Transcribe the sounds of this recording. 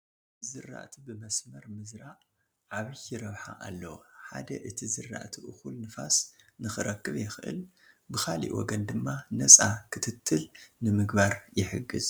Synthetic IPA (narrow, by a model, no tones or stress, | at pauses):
zɨrːa̰ʔt̪ʰibɨmɐsmɐɾmɨzɾaʔ | ʕaβijɪɾɐβħa̰ʔalːɐwoħa̰d̪ɐʔɨt̪ʰizɨrːa̰ʔt̪ʰiʔɨxulnɨfa̰snɨxɨɾɐkːɨβjɪxɨʔɨ̰l | bɨxʰalḭwɔ̰ɡɐnd̪ɨmːanɐt͡sʼakʰɨt̪ʰɨt̪ʰːɨlnɨmɨɡbaɾjɪħɨɡɨz